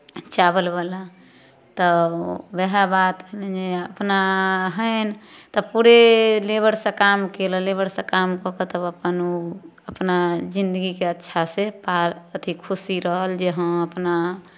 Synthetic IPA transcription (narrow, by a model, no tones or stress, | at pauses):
t͡ʃabəlbala | t̪ɔbɛɦabat̪bʱeled͡ʒeəpnaɦəɪnt̪ɔpuɾelebəɾsẽkamkeləlebəɾsẽkamkɔkət̪əbəpənuəpnad͡ʒind̪əɡikeətːʃʰasepalət̪ʰikʰusiɾəɦəld͡ʒeɦə̃əpna